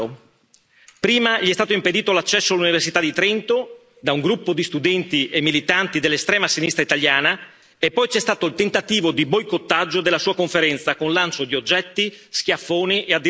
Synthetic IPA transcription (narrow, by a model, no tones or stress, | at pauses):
pɾiːmaʎiɛst̪aːt̪oimped̪iːt̪olat͡ʃːɛsːoalːuniversit̪ad̪it̪ɾɛnt̪o | d̪auŋɡɾupːod̪ist̪ud̪ɛnt̪iʔemːilit̪ant̪id̪elːest̪ɾɛːmasinist̪ɾait̪aljaːna | epːɔjt͡ʃɛst̪aːt̪oilt̪ent̪at̪iːvod̪ibojkot̪ːad͡ʒːod̪elːasuːakoɱfeɾɛnt̪sakonlant͡ʃod̪iod͡ʒːɛt̪ːisk̟jafːoːniʔead̪ːi